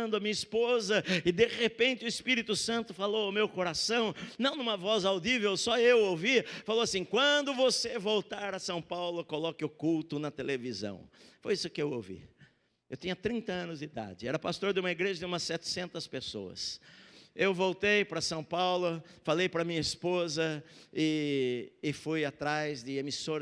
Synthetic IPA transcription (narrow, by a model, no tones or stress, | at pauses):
nd̪ʊɐmĩɲɐispozɐɪd̪eʁepẽnt͡ʃ̪ɪʊɪspiɾit̪ʊsɐ̃nt̪ʊfalowawmewkoɾasɐ̃w̃nɐ̃w̃nũmɐvɔzawd̪ivewsɔewowvifalowasĩkwɐ̃nd̪ʊvosevowt̪aɾɐsɐ̃w̃pawlʊkolɔkɪʊkult̪ʊnɐt̪elevizɐ̰̃w̃fojisʊkɪewowvḭ | ewt̪ĩɲɐt̪ɾĩnt̪ɐɐ̃nʊzd͡ʒɪid̪a̰d͡ʒɪɛɾɐpast̪oɾd̪ɪũmɐiɡɾeʒɐd̪ɪũmɐssɛt͡ʃ̪ɪ̥sẽnt̪ɐspeso̰ɐ̰s | ewvowt̪ejpɾɐsɐ̃w̃pawlʊfalejpɾɐmĩɲɐispozɐɪː | fujat̪ɾajzd̪ɪemisoɾ